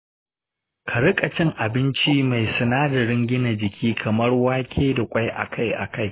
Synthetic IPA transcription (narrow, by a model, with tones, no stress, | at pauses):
kʰɐ˨ɾkʼɐ˨t͡ʃɪ˦ŋʔa˨bɪ˦nt͡ʃiː˦ma˨jsʊ˨naː˦dɐ˨ɽɪ˦ŋɡʲɪ˦na˨d͡ʒɪ˨kʲʰiː˦kʰɐ˨mɐ˦rwaː˦kʲʰeː˦da˨kʷʼa˦jʔa̰˨kʰa˦jʔa̰˨ka˦˨j